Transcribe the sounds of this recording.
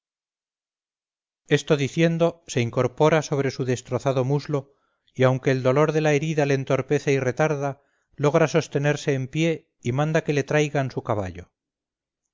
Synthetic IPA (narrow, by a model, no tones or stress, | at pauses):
e̞st̪o̞ðiθje̞nd̪o̞se̞iŋko̞ɾpo̞ɾaso̞β̞ɾe̞suðe̞st̪ɾo̞θaðo̞muzlo̞ | iawŋke̞ːld̪o̞lo̞ɾðe̞lae̞ɾiðale̞ːnt̪o̞ɾpe̞θeire̞t̪aɾða | lo̞ɣ̞ɾaso̞st̪e̞ne̞ɾse̞ːmpje̞ | imãnd̪ake̞le̞t̪ɾajɣansukaβ̞a̰ʎo̞